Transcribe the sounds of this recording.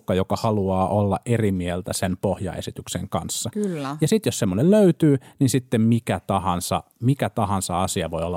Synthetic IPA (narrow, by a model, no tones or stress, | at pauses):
kːɑjokɑhɑluɑːʔolːɑ̰ʔerimielt̪æsenpohjɑ̰ḛsit̪yksḛŋkɑnsːɑylːjɑsit̪jossemːonelløyt̪yːninsit̪ːemmikæt̪ɑhɑnsɑ̰ | mikæt̪ɑhɑnsɑɑsiɑʋoiolːɑ